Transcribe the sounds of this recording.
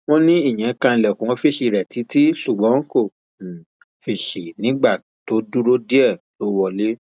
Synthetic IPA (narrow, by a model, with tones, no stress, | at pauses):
wɔ̃˦nĩ˦i˦˨j̃ɛ̃˨˦kã˧lɛ˨kũ˨˧˦fi˦˨ʃi˧˨ɾɛ˨ti˨˦ti˦su˦˨ɡ͡bɔ̃˨˦ko˦˨ | fi˧˨ʃi˨nĩ˨˦ɡ͡ba˦˨ | to˨˦du˦ɾo˦di˦ɛ˦˨ | lo˧wɔ˧le˦